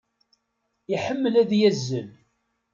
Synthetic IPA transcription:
iħəmːəlæðjæzːəl

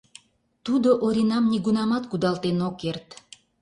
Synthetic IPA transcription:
t̪ud̪oʔoɾʲinɑmniɡunɑmɑt̪kud̪ɑlt̪enokert̪

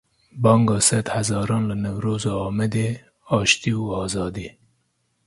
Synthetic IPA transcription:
bɑːŋɡɑːsɛd̪hæzɑːɾɑːnlɨnɛwɾoːzɑːɑːmɛd̪eː | ɑːʃt̪iːuɑːzɑːd̪iː

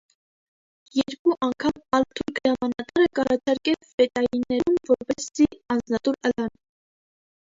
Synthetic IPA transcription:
jɛɾkuʔɑŋkʰɑmɑlt̪ʰujɡəɾɑmɑnɑt̪ɑɾəkɑɾɑt͡ʃʰɑɾkɛlvɛt̪ɑjinːɛɾumvɔɾpɛsziɑnd͡znɑt̪uɾəlɑn

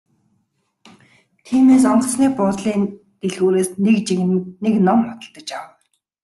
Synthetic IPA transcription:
t̪ʰiːmeːsɔɴɢə̆sniːpʊt̪ɮiːn | t̪eɮɣuːɾeːsnekt͡ɕineknɔmχʊ̥t̪ə̆ɮt̪ə̆t͡ɕaw

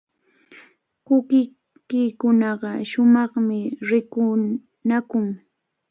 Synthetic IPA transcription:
kʊkɪ | kɪkʊnɑɢɑʃʊmɑχmɪɾɪkʊ | nakʊŋ

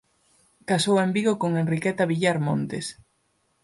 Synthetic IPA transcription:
kasowembiɣokoŋenrikɛt̪aβiʎaɾmõnt̪es

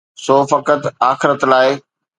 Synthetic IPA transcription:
soːfɐkət̪aːxɪɾət̪laːɪ

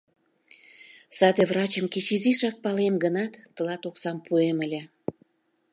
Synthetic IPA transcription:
sɑd̪evrɑt͡ɕəmket͡ɕiziʃɑk̚pɑlemɡənɑt̪ːəlɑt̪oksɑmpueməlʲĕ

